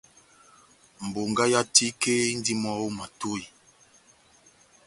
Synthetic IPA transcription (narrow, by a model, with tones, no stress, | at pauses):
m̩˨bo˨ŋɡa˦ja˦ti˦ke˦n̩˦di˦mɔ˦wo˦ma˨to˦˨i˨